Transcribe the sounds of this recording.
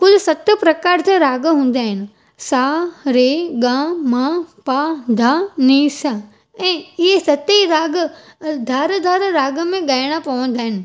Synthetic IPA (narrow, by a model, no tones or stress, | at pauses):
kʊlɪsɐt̪əpɾɐkaːɾd͡ʑaɾaːɡɦũːn̆d̪aːɦɪnɪ̆ | saːɾeɡãːmãːpaːd̪ʱaːniːsa | ɛ̃ːɪɦesɐt̪iɾaːɡə | d̪ʱaːɾd̪ʱaːɾɾaːɡə̆mẽɠaːɪɽ̃apɐʋə̃nd̪aːɦɪnɪ̆